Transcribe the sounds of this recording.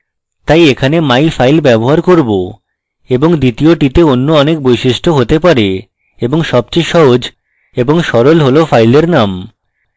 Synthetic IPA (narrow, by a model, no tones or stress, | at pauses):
t̪ajekʰanemajfajlbɛboɦaɾkoɾbo | eboŋd̪it̪ioʈit̪eonːoɔnek̚bojʃiʃʈʰoɦot̪epaɾe | eboŋʃɔb̚t͡ɕejʃɔɦod͡ʑ | eboŋʃɔɾolɦolofajleɾnam